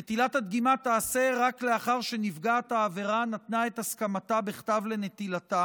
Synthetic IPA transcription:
et̪ilat̪hat̪ɡimat̪aːse̞ʁakle̞aχaʁʃe̞nivɡaat̪aːve̞ʁanat̪nae̞t̪askamat̪abeχt̪avle̞ne̞t̪ilat̪a

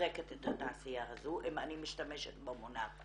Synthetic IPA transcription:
eketethataasijaɦazuʔimanimiʃtameʃḛtbemona

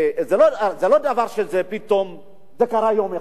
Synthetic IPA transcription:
zelozelod̪avaʁʃezepit̪om | zekaʁajome

